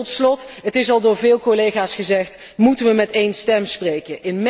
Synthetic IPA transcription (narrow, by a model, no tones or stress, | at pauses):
ɔtslɔtɦətɪsɑlˠdʊːɹvɪːlˠkolejχaːsχəzɛχt | mutənʋəmɛtejnstɛmsprejkəʔɪnm